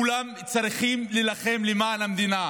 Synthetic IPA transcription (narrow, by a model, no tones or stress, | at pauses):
ulam | t͡saʁiχimlilaχe̞mlemaːnhamd̪ina